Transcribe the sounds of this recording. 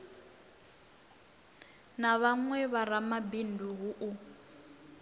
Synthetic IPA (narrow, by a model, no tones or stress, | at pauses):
naβaŋwɛβaɾamabindʱuɦuʔu